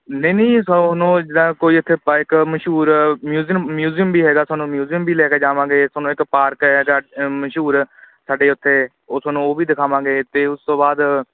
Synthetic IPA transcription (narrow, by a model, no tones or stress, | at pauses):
nəiːnəĩːsnõːd͡ʒɪd̪ãːkoːiːʊt̪ʰːeːpɪkməʃuːɾmjuːzimmjuːzijəmbiːɦɛːɡaːsaːnũːmjuːzijəmbiːlɛːkeːd͡ʒaːʋãːɡeːsɔːnũːɪkpaːɾkɦɛːɡaːməʃuːɾ | saːɖeːʊt̪ʰːeː | osaːnũːoːʋiːd̪ɪkʰaːʋãːɡeːt̪eːʊst̪õːbaːd̪